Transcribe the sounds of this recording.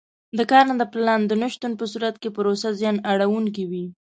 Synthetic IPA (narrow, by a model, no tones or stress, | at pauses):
d̪əkɑɾnad̪əplɑnd̪ənaʃt̪unpəsuɾat̪̚kepəɾosazjɑnaɽawuŋk̬iwi